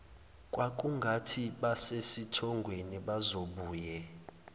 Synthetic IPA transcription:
kʼwak̬ʼuŋɡʱatʰiɓasesitʰɔŋɡʱweniɓazoɓuːjɛ

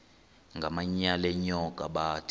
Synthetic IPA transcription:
ŋɡʱamaɲalɛɲɔkʼaɓaːtʰ

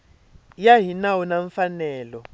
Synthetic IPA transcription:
jaɦinawunaɱfanɛːlɔ

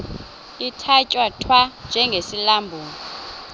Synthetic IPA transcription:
itʰacʼwatʰwand͡ʒʱɛŋɡʱesilambʱuːŋi

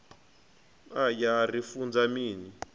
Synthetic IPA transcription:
ajarifund͡zamiːni

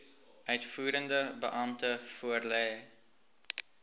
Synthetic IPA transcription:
ʔœɥtfuːɾəndəbəʔɐmtəfuərlɛː

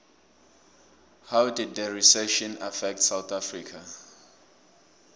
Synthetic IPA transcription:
hawdid̚dəɹisɛʃɔ̃nafɛk̚tsawθafɹikʰa

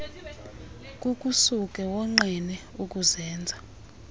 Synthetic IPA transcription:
k̬ʼukʼusuk̬ʼɛwɔŋ͡ǃinɛ | uk̬ʼuzɛːnd͡zʱa

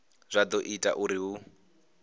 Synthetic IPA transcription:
z̥ʷad̪ɔʔitʼa̰ʔuɾiɦu

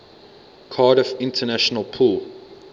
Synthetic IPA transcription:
kʰɑːɾəfɪ̃ntʰənaʃɔnəlˠpʰulˠ

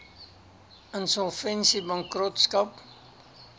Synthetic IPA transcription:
ənsɔlˠfɛnsibɐŋkrɔtskɐp

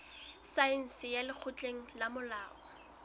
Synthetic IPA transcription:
saɛn̩sɪjalɪk͡xʰʊt͡ɬʼeŋ̩lamʊlaːʔɔ

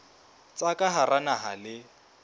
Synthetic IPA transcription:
t͡sʼakʼaɦaranaɦalɪ

